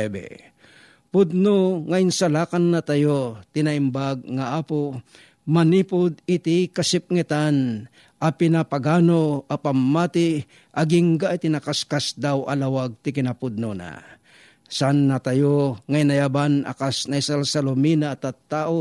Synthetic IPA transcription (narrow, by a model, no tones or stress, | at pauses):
bɛ̰ | pʊd̪̚noŋaɪnsalaːkanːat̪ajot̪ɪnaimbaɡ̚ŋaʔaːpo | manipʊd̪̚ɪt̪ikasɪp̚ŋɛt̪an | apɪnapaɡaːnoapamːat̪i | ʔaɡiŋɡaʔit̪inakaskasd̪awa̰lawaɡ̚t̪ɪkɪnapud̪̚nona̰ | sanːat̪ajoŋainajabana̰kasnaisalsalominaːt̪at̪ːaʔo